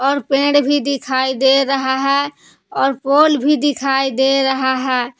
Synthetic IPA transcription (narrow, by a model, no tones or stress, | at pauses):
ɔːɾpẽɽbʱid̪ikʰajd̪eɾəɦaɦɛ | ɔːɾpolbʱid̪ikʰajd̪eɾəɦaɦɛ